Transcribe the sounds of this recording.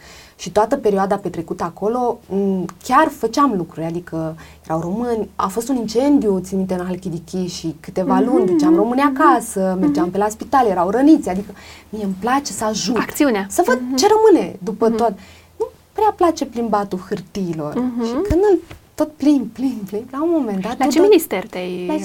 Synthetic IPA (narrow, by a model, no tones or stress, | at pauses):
ʃit̪oat̪əpe̞ɾioad̪ape̞t̪ɾe̞kut̪əako̞lo̞ | kʲarfət͡ʃeamlukɾuɾʲad̪ikəje̞ɾawro̞mɨnʲa̰fo̞st̪unint͡ʃe̞nd̪ijut̪sinut̪eɨnalkʲid̪ikʲiʃikɨt̪e̞valunʲd̪ut͡ʃamro̞mɨnʲakasəme̞rd͡ʒampe̞laspit̪alje̞ɾawɾənit̪sʲad̪ikəmijeɨmplat͡ʃe̞səaʒutakt̪siuneasəvəd̪̚t͡ʃe̞ɾəmɨned̪upət̪ot̪ | nu | pɾeaplat͡ʃe̞plimbat̪ulxɨrt̪iːlo̞̰rʃikɨnd̪ɨlt̪o̞t̪̚plinplinplinlaunmo̞me̞nd̪at̪at͡ʃeminist̪ert̪aj